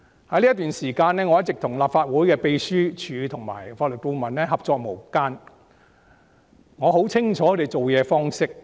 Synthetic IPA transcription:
hɐ˧˥jli˥t̪yː˨nsiː˨˩kaː˧nɛː˥ŋɔ˨˧jɐ˥t̚t͡sɪ˨k̚t̪ʰʊ˨˩ŋlaː˨p̚faː˧t̚wuː˨˥jkɛː˧pe˧jsyː˥t͡ʃʰyː˨˧t̪ʰʊ˨˩ŋma̰ː˨˩jfaː˧t̚lɵ˨˩t̚ko˧mɐ˨˩nnɛː˥ɦɐ˨p̚t͡sɔː˧k̚mo˨˩wkaː˥n | ŋɔː˨˧ɦo˨˥wt͡sʰɪ˥ŋt͡ʃʰɔː˧˥k̪ʰe˨jt͡so˨wjɛː˨˧fɔː˥ŋsɪ˥k̚

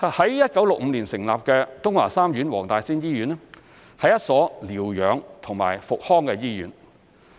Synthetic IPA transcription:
hɐ˨˥jjɐ˥t̚kɐ˨˥wlʊ˨k̚m̩˨˧liː˨˩nsɪ˨˩ŋlaː˨p̚kɛː˧t̪ʊ˥ŋlaː˨˩saː˥mjyː˨˥nwɔː˨˩ŋt̪aː˨jsiː˥njiː˥jyː˨˥nɛ˥ | hɐ˨jɐ˥t̚sɔː˨˥liː˨˩wjœː˨˧ŋt̪ʰʊ˨˩ŋma̰ː˨˩jfʊ˨k̚hɔː˥ŋkɛ˧jiː˥jy̰ː˨˥n

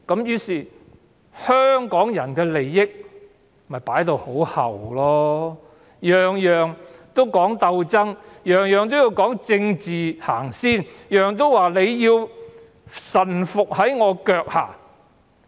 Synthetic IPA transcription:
kɐ˨˥mjyː˧˥siː˨ | hœː˥ŋkɔː˨˥ŋjɐ˨˩nkɛː˧le˨jːɪ˥k̚ | mɐ˨jpaː˨˥jt̪o˧who˨˥whɐ̰˨˩wlɔː˥ | jœː˨ŋjœː˨ŋt̪o˥wkɔː˨˥ŋt̪ɐ˧wt͡sɐ˥ŋjœː˨ŋjœː˨ŋt̪̬o˥wji˧wkɔː˨˥ŋt͡sɪ˧ŋt͡siː˨ha̰ː˨˩ŋsiː˥njœː˨ŋt̪o˥wwaː˨˩le˨˧jjiː˧w | sɐ˨˩nfʊ˨k̚hɐ˨˥jŋɔː˨˧kœː˧k̚ha̰ː˨˩

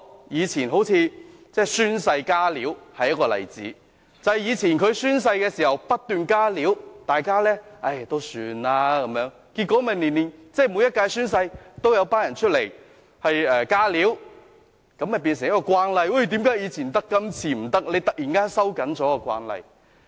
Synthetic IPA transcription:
jiː˨˧t͡sʰiː˨˩nɦo˨˥wt͡sʰiː˧t͡sɛː˥˩syː˥nsɐ˧jkaː˥liː˨˥whɐ˨jːɐ˥kːɔː˧lɐ̰˨˩jt͡sḭː˨˥ | t͡sɐ˨hjiː˨˧t͡sʰiː˨˩nkʰɵ˨˧ɥsyː˥ns̬ɐ˧jkɛː˧siː˨˩hɐ˨wpɐ˥t̚t̪yː˨nkaː˥liː˨˥wt̪aː˨jkaː˥lɛː˥ɐ˥jt̪o˥wsyː˧naː˧kɐ˨˦mjœː˨˥ŋ | kiː˧t̚kʷːɔː˨˥mɐ˨˩nliː˨˩nliː˨nt͡sɛː˥mu˨˧jɐ˥t̚kaː˧jsyː˥ns̬ɐ˧jt̪o˥wjɐ˨˧wpaː˥njɐ˨˩nt͡ʃʰɵ˥t̚le˨˩j | hɐ˨jɛː˨˧kaː˥liː˨˥w | kɐ˨˥mhɐ˨p̬iː˧ns̬ɪ˨˩ŋjɐ˥kːɔ˧kʷwaː˧nlɐ˧jwa˥˩jt̪iː˨˥mkaː˨˥jiː˨˧t͡sʰiː˨˩nt̪ɐ˥kːɐ˥mt͡sʰiː˧˩m̩˨˩t̪ɐ˥k̚le˨˧jt̪ɐ˨˩k̚ji˨˩nkaː˥nsɐ˥wkɐ˨˥nt͡sɔː˨˥kɔː˧kwa̰ː˧nlɐ̰˧j

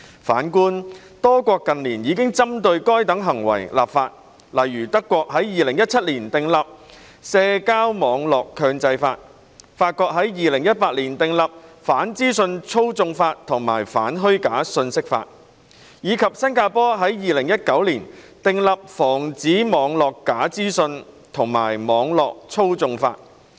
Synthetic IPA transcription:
faː˨˥nkuː˥n | t̪ɔː˥kʷɔː˧kːɐ˨nliː˨˩njiː˨˧kɪ˥ŋt͡sɐ˥mt̪ɵ˧ɥkɔː˥jt̪ɐ˨˥ŋɦɐ˨˩ŋwɐ̰˨˩jla̰ː˨p̚faː˧t̚ | lɐ˨˩jɥyː˨˩t̪ɐ˥kːʷɔː˧k̚ɦɐ˨˥jjiː˨lɪ˨˩ŋjɐ˥t̚t͡sʰɐ˥t̚liː˨˩nt̪ɪ˨ŋlɐ˨p̚ | sɛː˧kaː˥wmɔː˨˧ŋlɔː˨˩kʰːœː˧ŋt͡sɐ˧jfa̰ː˧t̚ | faː˧t̚kʷɔː˧˥k̚ɦɐ˨˥jjiː˨lɪ˨˩ŋjɐ˥t̚paː˧t̚liː˨˩nt̪ɪ˨ŋlɐ˨p̚faː˨˥nt͡siː˥sɵ˧nt͡sʰo˥wt͡sʊ˧ŋfaː˧t̚t̪ʰʊ˨˩ŋma̰ː˨˩jfa̰ː˨˥nɦɵ˥ɥkaː˨˥sɵ˧nsɪ˥k̚fa̰ː˧t̚ | jiː˨˧kʰɐ˨p̚sɐ˥nkaː˧pɔː˥ɦɐ˨˥jjiː˨lɪ˨˩ŋjɐ˥t̚kɐ˨˥wliː˨˩n | t̪ɪ˨ŋlɐ˨p̚fɔː˨˩ŋt͡siː˨˥mɔː˨˧ŋlɔː˨kːaː˨˥t͡siː˥sɵ˧n | t̪ʰʊ˨˩ŋma̰ː˨˩jmɔː˨˧ŋlɔː˨k̚t͡sʰo˥wt͡sʊ˧ŋfa̰ː˧t̚

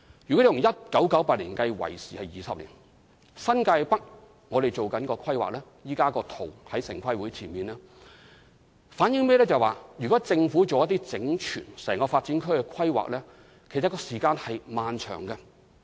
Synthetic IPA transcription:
jyː˨˩kɔ˨˥e˨jʊ˨ŋjɐ˥t̚kɐ˨˥wkɐ˨˥wpaː˧t̚liː˨˩nkɐ˧jwɐ̰˨˩jsiː˨˩hɐ˨jjiː˨˩sɐ˨p̚lḭː˨˩n | sɐ˥nka˧jpɐ˥k̚ | ŋɔː˨˧ɾe˨jt͡so˨wkɐ˨˥nkɔː˧kʰɐ˥jwa̰ː˨k̚lɛː˥ | jiː˥kaː˥kɔː˧t̪ʰo˨˩whɐ˨˥jsɪ̰˨˩ŋkʷʰɐ˥jwuː˨˥jt͡sʰiː˨˩nmiː˨˩nlaː˥ | faː˨˥njɪ˧˥ŋmɛː˥lɛː˥t͡sɐ˨˩jwaː˨˧jyː˨kɔː˨˥t͡sɪ˧ŋfuː˨˥t͡so˨wjɐ˥t̪iː˥t͡sɪ˨˥ŋt͡ʃʰy̰ː˨˩nsɛː˨˩ŋkɔː˧faː˧t̚t͡siː˨˥nkʰɵ˥ɥkɛ˧kʰɐ˥jwa̰ː˨k̚lɛː˥ | kʰe˨˩jt͡sɐ˨t̚kɔː˧siː˨˩kaː˧nhɐ˨jmaː˨nt͡ʃʰœ̰ː˨˩ŋɡɐ˧

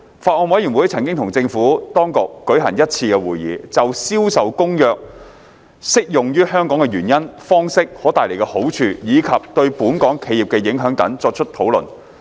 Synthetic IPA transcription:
faː˧ʔɔː˧nwɐ˨˥ji˨˩nwuː˨˥jt͡sʰɐ˨˩ŋkɪ˥ŋt̪ʰʊ˨˩ŋt͡sɪ˧ŋfuː˨˥t̪ɔː˥ŋkʊ˨kːɵ˨˥ɦɐ̰˨˩njɐ˥t̚t͡sʰiː˧kɛ˧wuː˨˩jḭː˨t͡sɐ˨wsiː˥wsɐ˨wkʊ˥ŋjœː˨˧k̚ | sɪ˥k̚jʊ˨ŋjyː˥ɦœː˥ŋkɔː˨˥ŋɛ˧jyː˨˩njɐ˥nfɔː˥ŋsɪ˥k̚hɔː˨˥t̪aː˨jle˨˩kɛ˧ho˨˥wt͡ʃʰyː˧jiː˨˧kʰɐ˨p̚t̪ɵ˧ɥpuː˨˥nkɔː˨˥ŋkʰe˨˧ji˨p̚kɛ˧jɪ˨˥ŋɦœː˨˥ŋt̪ɐ̰˨˥ŋt͡sɔː˧k̚t͡ʃʰɵ˥t̚t̪ʰo˨˥wlɵ̰˨˩n

